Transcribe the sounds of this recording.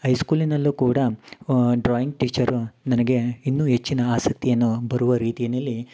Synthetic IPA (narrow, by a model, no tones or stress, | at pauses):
ɐjskuːlinɐlːukuːɽɐ | ɖɾaːjiŋɡʈiːt͡ʃɐɾunɐnɐɡe̞inːuːɦe̞t͡ʃːinɐaːsɐk̚t̪ijɐnːubɐɾuʋɐɾiːt̪ijɐnɐlːi